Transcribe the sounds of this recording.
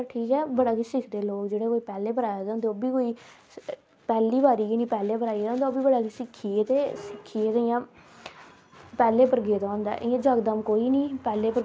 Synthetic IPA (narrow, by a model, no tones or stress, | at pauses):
sɾʈʰiːkɛːbəɽaːkisɪkʰd̪eːloːkd͡ʒeːɽeːkoːiːpɛːleːpəɾaːjeːd̪̃ːnd̪eoːbiːkoːiː | pɛːliːbaːɾiːkinĩːpɛːleːpəɾaːid̪ãːnd̪aoːbiːbəɽaːkisɪkʰːiːeːt̪eːsɪkʰːieːt̪ːjãː | pɛːleːpəɾɡeːd̪aõːnd̪a̰ːʔɪjãd͡ʒəɡd̪əmkoːiːniːpɛːleːpəɾ